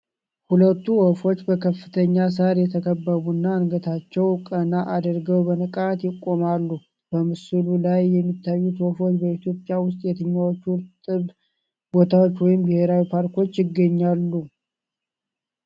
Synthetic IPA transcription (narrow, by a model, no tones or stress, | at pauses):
hulət̪ːuwofo̞t͡ʃːbəkʰəfːɨt̪ʰəɲːas̬aɾjɛt̪ʰəkʰəbːəβunːaɨnɡət̪ʰat͡ʃːɛwkʼənaʔad̪əɾɡəwbənəkʼat̪jɪkʼːo̞malːu | b̥əmɨsɨlulajːɛmːit̪ʰːajːut̪wofo̞t͡ʃːbəit̪ʰjo̞pʼːjawʊst̪ʼjɛt̪ʰɨɲːawot͡ʃːt̪ʼɨβ | bo̞t̪ʰawot͡ʃːwɔjɪmbɪhe̞ɾawipʰaɾko̞t͡ʃːjɪɡːəɲːalːu